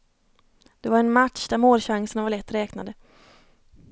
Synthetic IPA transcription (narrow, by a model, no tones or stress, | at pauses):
d̪̥ɛvaɾɛnmat̪ʂd̪æɾmoːlɕaŋsənavaɾɭɛt̪ːɾɛːknad̪ə